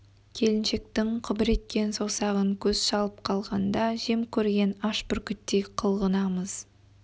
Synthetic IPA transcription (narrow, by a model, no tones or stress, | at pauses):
kʲʰe̞lɪnʃe̞k̚t̪ɪŋqʰʊbɪɾe̞t̪̚kʲe̞nsosɑʁəŋkʲʰɵzʃɑlˠəp̚qʰɑlˠʁɑnd̪ɑʒe̞mkʲʰɵɾɡʲe̞nɑʃpʏɾkʲʏt̪ːeqʰəlˠʁənɑməz̥